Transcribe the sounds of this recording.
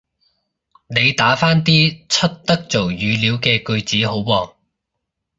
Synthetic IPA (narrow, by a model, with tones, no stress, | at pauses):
ne˨˧jt̪aː˨˥faː˥nt̪̬iː˥t͡sʰɵ˥t̚t̪ɐ˥k̚t͡so˨˩wjyː˨˧liː˨˥wkɛː˧kɵ˧ɥt͡siː˨˥ɦo˨˥wwɔː˨˩ŋ